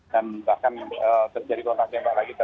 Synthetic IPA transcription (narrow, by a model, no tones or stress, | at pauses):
danbahkanət̪ərd͡ʒadikont̪ak̚sampaʔlaɡit̪ə